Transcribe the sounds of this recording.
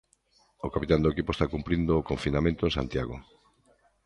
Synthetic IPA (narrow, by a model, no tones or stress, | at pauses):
okapit̪and̪oekipoest̪akumpɾind̪oːkoɱfinamẽnt̪oẽŋsa̰nt̪jaɣo̰